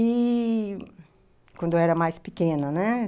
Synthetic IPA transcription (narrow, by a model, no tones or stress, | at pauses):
i | kwɐ̃nd̪ʊɛɾɐmajspikẽnɐnɛ